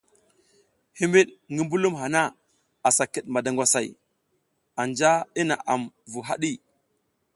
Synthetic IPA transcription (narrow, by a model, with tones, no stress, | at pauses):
hi˦mbi˦ɗŋɡi˦mbu˦lu˦mɦa˨na˦ | a˨sa˨ki˨ɗma˨da˨ŋɡʷwa˨sa˨j | a˨nd͡ʒa˦i˦na̰˨ʔa˨mvu˨ɦa˦ɗi˦